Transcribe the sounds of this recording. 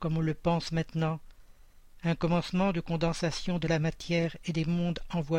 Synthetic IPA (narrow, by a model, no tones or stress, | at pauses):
kɔmɔ̃ləpɑ̃smɛ̃t̪nɑ̃ | ɛ̃kɔmɑ̃smɑ̃d̪əkɔ̃d̪ɑ̃sasjɔ̃d̪əlamat̪jɛʁed̪emɔ̃d̪ɑ̃vwa